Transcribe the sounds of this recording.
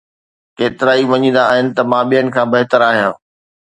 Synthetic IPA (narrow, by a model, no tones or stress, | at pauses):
keːt̪ɪɾaːiʋɐɲĩːn̆d̪aːɦɪnɪ̆t̪ɐmãːɓijənɪ̆kʰãːbɐɦɪt̪əɾaːɦijã̰ː